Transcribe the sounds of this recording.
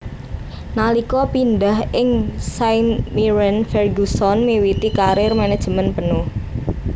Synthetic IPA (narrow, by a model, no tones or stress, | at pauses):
nalikɔpinɖaɦɪŋsajnmiɾɛnfɛrɡusɔnmiwit̪ikaɾɪrmanɛ̥ʒ̥əmənpənʊh